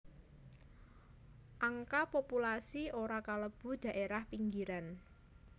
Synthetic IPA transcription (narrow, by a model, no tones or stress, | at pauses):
ʔaŋkapopulasioɾakaləb̥ṳd̥ä̤ʔeɾahpiŋɡiɾan